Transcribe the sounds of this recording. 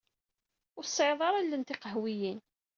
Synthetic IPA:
ʊɾsˤːʕeðˤɑɾˤælːənt̪iqəɦwijin

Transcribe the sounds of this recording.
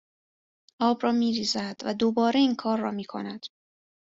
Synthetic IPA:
ʔɒːbɾɒːmiːɾiːzæd̪væd̪obɒːɾe̞iːŋkʰɒːɾːɒ̰ːmiːkʰonæd̪̥

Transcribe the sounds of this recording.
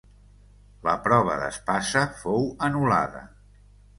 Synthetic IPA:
ləpɾɔβ̞ə̰ðə̰spasəfowənula̰ðə̰

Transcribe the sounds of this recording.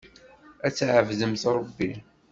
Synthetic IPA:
æt͡sːʕəvðəmθɾˤəbːi

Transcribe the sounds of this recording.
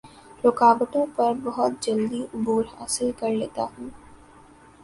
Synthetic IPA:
ɾʊkaːbət̪õpɐɾbɐɦʊt̪̚d͡ʒɐld̪iʔʊbuːɾɦa̰ːsɪlkɐɾleːt̪aɦɛː

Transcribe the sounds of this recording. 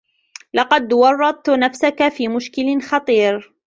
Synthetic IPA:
lɑqɑd̪wɑrˤːɑd̪̚ˤt̪nafsakafiːmʊʃkɪlxɑt̪ˤiːɾ

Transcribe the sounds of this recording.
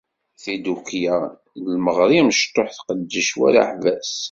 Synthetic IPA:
θid̪ukja | lməʁɾˤiməʃt̪ːoħθqəd̪ːəʃwæ̰ɾa̰ħvæs

